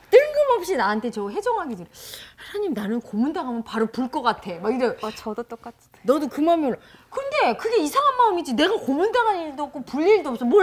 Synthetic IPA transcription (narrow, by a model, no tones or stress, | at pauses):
t͈ɯŋɡɯmɦʌp̚ɕ͈inaantʰe̞t͡ɕʌɦe̞d͡ʑʌŋɦaɡidɯɾehanaɲimnanɯnkomundaŋɦamjʌnpaɾopuɭk͈ʌk͈atʰe̞maiɾʌnt͡ɕʌdot͈ok͈at͡ɕ | nʌdokɯmamjʌnkɯnde̞kɯɡe̞isʰaŋɦanmaɯmid͡ʑine̞ɡakomundaŋɦaɲiɭdʌp̚k͈opuʎːiɭdoʌp̚s͈ʌmʌ